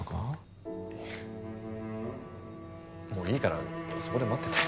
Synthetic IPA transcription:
ka | e | mo̞ːiːkaɾa̰sokod̪emoat̪ːet̪ḁ

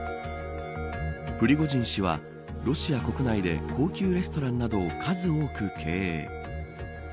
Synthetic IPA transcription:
ɸɯ̟ɾʲiɡo̞ʑĩɰ̃ɕiβ̞a̰ | ɾo̞ɕiako̞kɯ̟naid̪e̞̰kʰo̞ːkʲɨːɾe̞sɨ̥t̪o̞ɾãnːad̪o̞ːkʰazɨoːkɯ̟kʰe̞ː

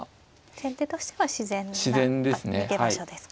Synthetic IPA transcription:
sẽ̞nt̪et̪o̞ɕi̥t̪e̞βaɕizẽ̞nɕizẽnd̪esɨnekehaiɕod̪e̞sɨ̥

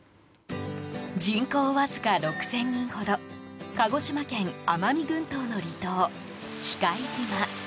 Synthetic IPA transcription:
d͡ʑĩŋko̞ːβazɨ̥kaɾo̞kɯ̟̥sẽ̞ɲːĩɰ̃ho̞d̪okaɡo̞ɕimakẽ̞ŋamamʲiɡɯ̟̃nt̪o̞ːno̞ɾʲit̪o̞ː | kʲi̥kaid͡ʑima

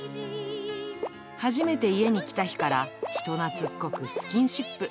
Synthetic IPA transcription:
haʑime̞t̪e̞ie̞ɲ̟ikʲi̥t̪açi̥kaɾaçi̥t̪o̞nat͡sɨkːokɯ̟sɨ̥kʲĩɰ̃ɕipːɯ̟

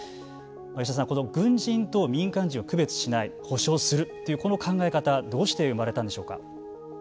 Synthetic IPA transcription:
majoɕ̬as̬ãŋko̞no̞ɡɯ̟̃ɲd͡ʑĩnt̪o̞mʲĩŋkãɲ̟d͡ʑĩɰ̃oakɯ̟be̞t͡sɨ̥ɕinaiho̞ɕo̞ːsɨɾɯ̟t̪ːo̞jɯ̟ko̞no̞kʰãŋɡae̞kat̪ad̪o̞ːɕi̥t̪e̞ɯ̟maɾe̞t̪ãnd̪e̞ɕo̞ːka̰

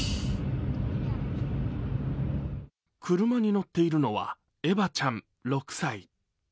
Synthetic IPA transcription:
kʰɯ̟ɾɯ̟maɲ̟ino̞t̪ːe̞iɾɯ̟no̞βa̰ | e̞bat͡ɕãɴ | ɾo̞kɯ̥sai

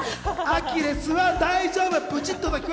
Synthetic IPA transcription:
akʲiɾesɨβad̪aiʑo̞ːbɯpɯ̟t͡ɕit̪ːod̪akʲi

